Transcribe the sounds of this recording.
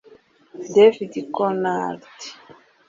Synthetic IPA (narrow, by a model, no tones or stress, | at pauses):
devidikɔnaɾti̥